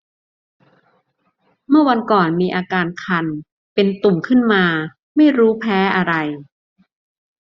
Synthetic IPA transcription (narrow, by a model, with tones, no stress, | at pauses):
mɯ˥˩ɐwa˧nkɔː˨˩nmiː˧ʔaː˧kaː˧nkʰa˧n | pe˧nt̪u˨˩mkʰɯ˥˩nmaː˧ | ma˥˩jɾuː˦˥pʰɛː˦˥ʔa˧ɾa˧j